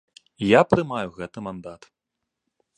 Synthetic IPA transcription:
japɾɨmajuɣɛt̪ɨmand̪at̪

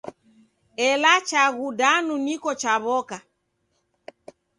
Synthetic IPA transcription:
ɛlat͡ʃaɣudanunikɔt͡ʃaβɔka

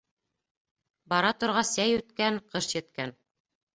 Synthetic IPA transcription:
bɑɾɑt̪ŏɾʁɑsæjʉt̪kæŋqɤʃjɘ̆t̪kæn

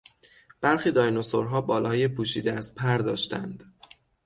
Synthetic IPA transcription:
b̥æɾxiːd̪ɒːjnosoɾɦɒːbɒːlɒːjepʰuːʃiːd̪eæzpʰæɾd̪ɒːʃt̪æ̰nd̪̥

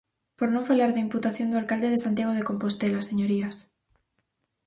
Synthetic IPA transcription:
poɾnõŋfalaɾðeimput̪aθjond̪ualkald̪eðesant̪jaɣ̞oð̞ekompost̪elaseɲoɾias

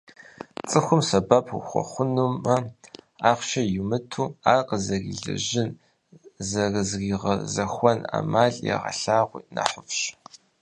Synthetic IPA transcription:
t͡sʼɨxʷʊmsɐbapʰṵxʷɔ̰χʷʊnumɐaːχʷʃɐjumɨtʰuːaːqəzɐɣḭɮɨ̰ʒɪn | zɐrɨzɣiʁɐzɐxʷɔna̰ːmaːɮʼja̰ʁɐ̰ɬaːʁʷḭːnɐ̰ħʊpɕ

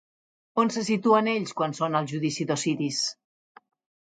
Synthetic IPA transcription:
onsəsit̪uəneʎskwansonəlˠʒuðisiðosiɾis

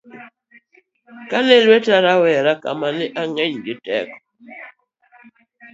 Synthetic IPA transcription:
kanelwetaɾawɛɾaka̰manɛʔaŋɛɲd͡ʒetɛ̰kɔ

